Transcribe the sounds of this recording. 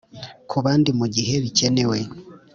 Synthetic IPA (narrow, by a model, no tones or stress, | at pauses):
kʰuβaːndimuɟihe̞βicenewe